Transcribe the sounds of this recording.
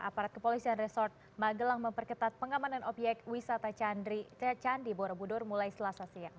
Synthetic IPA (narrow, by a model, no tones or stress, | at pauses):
a̰paɾat̪̚kəpolisianresɔrt̪̚ | maɡəlaŋməmpərkət̪at̪̚pəŋamananɔpjɛk̚t̪wisat̪anit͡ʃandiboɾabudɔrmulajsəlasasiaŋ